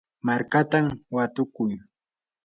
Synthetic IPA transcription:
maɾkat̪amwat̪ʊkʊj

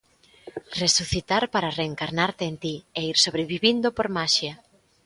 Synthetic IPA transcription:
resuθit̪aɾpaɾareːŋkaɾnaɾt̪eːnt̪ieiɾsoβɾeβiβind̪opoɾmaʃja

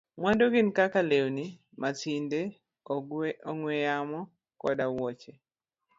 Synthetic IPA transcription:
mwandoɡɪnkakalewni | matinde | ɔŋwɛjamɔ | kɔ̰dawɔt͡ʃe

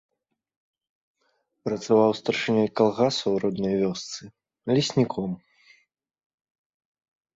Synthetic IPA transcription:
pɾɐt̪savawst̪ɐrʂɨnʲɔjkalˠɣasɐwɾɔd̪nɐjvʲɔst̪sɨ | lʲisʲnʲikʰɔm

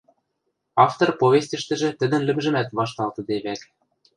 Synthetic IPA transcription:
ɑft̪orpoβʲesʲt̪ʲɘ̆ʃt̪ɘ̆ʒĕt̪ɘ̆d̪ɘ̆nlɘ̆mʒɘ̆mæt̪βɑʃt̪ɑlt̪ɤ̆d̪eβæk

